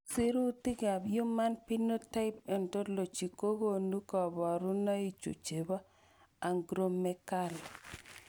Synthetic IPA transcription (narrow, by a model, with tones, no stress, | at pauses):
si˦ɾu˦ti˦ɡa˨bjʊ˦ma˦npi˦no˦ta˦ɪ˦pe˨nto˦lo˨t͡ʃi˨ko˦ɡo˦nu˦kɔ˨bɔ˨ɾu˦na˦i˨t͡ʃṵ˨t͡ʃe˨ba˦ | a˨ŋɡɾo˦mːɛ˦ka˦˨l